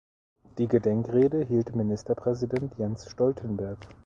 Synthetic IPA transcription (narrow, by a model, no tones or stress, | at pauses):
d̥iːɡədɛŋkʁeːdəɦiːltminɪstɐpʁ̥ɛzidɛntʰjɛnsʃtɔltʰənbɛɐk